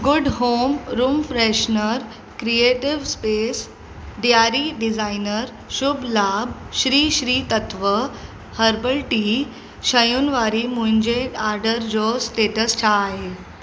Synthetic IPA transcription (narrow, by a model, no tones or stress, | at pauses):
ɡuɖɦomɾumfɾɛɕnəɾ | kɾieʈiʋspes | ɖijaɾiɖid͡zajnəɾ | ɕubʱlabɕɾiːɕɾiːt̪ət̪ʋə | həɾbəlʈi | ɕəjunʋaɾimuɲd͡ʑeʈaɾɖəɾd͡zosʈeʈəst͡ʃʰaɦe